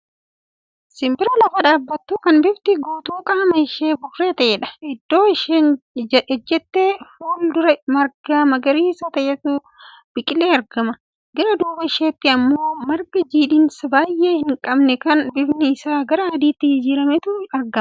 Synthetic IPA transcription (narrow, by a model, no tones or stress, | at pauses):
sɪmbɪɾɐlɐfɐᶑaːbːɐt̪ːukɐnbɪbt̪ɪɡuːt̪uːkʼɐɐmɐɪʃeːbʊrːe̞ːt̪ɐʔɛᶑɐ̥ɪd̪ːo̞ːɪʃeːnɛd͡ʒːɛt̪ːeːfuːld̪ʊɾɐmɐɾɡaːmɐɡɐɾiːsɐt̪ɐʔɛt̪uː | b̥ɪkʼɪle̞ːɐɾɡɐmɐ | ɡɐɾɐd̪uːbɐɪʃeːt̪ːɪɐmːo̞ːmɐɾɡɐd͡ʒiːᶑɪnsɐbaːjʔe̞ːhɪŋkʼɐbnɛkɐnbɪbnɪɪsaːɡɐɾɐɐd̪iːt̪ːɪhɪd͡ʒiːɾɐmɛt̪ʊɐɾɡɐmɐ